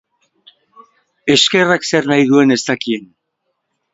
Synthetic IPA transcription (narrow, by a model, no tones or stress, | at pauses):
e̞ske̞rakse̞rnajðue̞ne̞st̪akie̞n